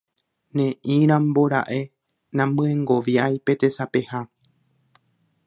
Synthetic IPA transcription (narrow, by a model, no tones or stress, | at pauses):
nẽʔĩɾ̃ãmbo̞ɾa̰ʔe̞ | nãmbɨ̃ẽŋɡoʋjajpe̞t̪e̞sape̞ha